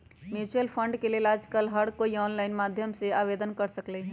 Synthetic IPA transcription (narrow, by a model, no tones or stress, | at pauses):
mjut͡ʃɾəlpʰəɳɖkelelaːd͡ʒkəlɦəɽkoiɔnlaɪnmad̪ʱjəmseaβed̪ənkəɾsəklɛ